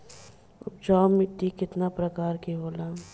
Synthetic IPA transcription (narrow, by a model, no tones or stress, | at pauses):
ʊp̚t͡ʃaːmɪt̪ːikɪt̪napɾɐkaːɾkeɦoːlaː